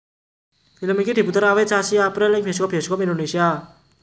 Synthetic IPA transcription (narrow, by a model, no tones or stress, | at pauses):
filəmikide̤put̪əɾawɛt͡ʃasiapɾɛlɛŋbʱeskɔp̚bʱeskɔpindonesia